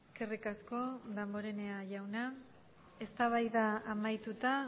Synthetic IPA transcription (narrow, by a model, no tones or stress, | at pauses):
eske̞rikasko̞ðambo̞ɾe̞ne̞aʝawna | e̞st̪aβ̞ajðaːmajt̪ut̪a